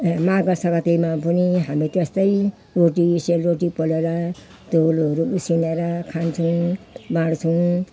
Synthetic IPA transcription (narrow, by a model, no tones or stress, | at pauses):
maɡʌsʌkat̪ijmapʌniɦamit̪est̪ʌj | ɾoʈiselɾoʈipʌleɾa | t̪olʌɾuusineɾakʰant͡sʰuw̃baɽt͡sʰũ